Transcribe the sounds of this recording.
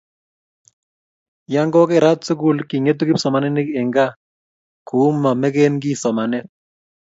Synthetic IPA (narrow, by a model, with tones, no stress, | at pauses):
ja˦ŋɡɔ˦kɪ˦˨ɾa˦t̪su˦ɡu˦lki˨ŋe˦t̪̬u˦kɪ˦psɔ˨ma˨nɛ˦nɪ˦ke˨ŋɡa˦ | ku˨˦ma˨mɛ˦ɡe˦nɡi˦sɔ˨ma˨nɛ˦